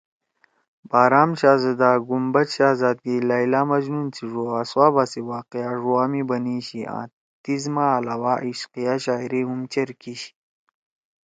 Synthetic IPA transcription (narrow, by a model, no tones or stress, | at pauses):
baːɾaːmɕaːzɐd̪aːɡumbɐtɕaːzaːd̪̚ɡilajlaːmɐd͡ʑnunt͡sʰiʐoaswaːbasiwaːqeaʐuaːmibɐniɕiã̰ː | t̪izmaːlawaːʔiɕqijaɕaːiɾiɦumt͡ɕɐɾkiɕi̥